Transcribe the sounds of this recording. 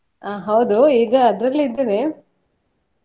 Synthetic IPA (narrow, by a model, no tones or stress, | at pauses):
aːɦɐwd̪uiːɡɐːd̪ɾɐlːid̪ːɐne